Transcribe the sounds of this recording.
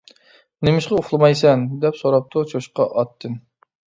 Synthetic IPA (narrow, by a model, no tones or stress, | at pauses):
nɪmɪʃqɑoχlˠɨmɑjsɛnd̪ɛpsoɾɑp̚t̪ʰʊt͡ʃʰoʃqɑʔɑt̪ʰːɨn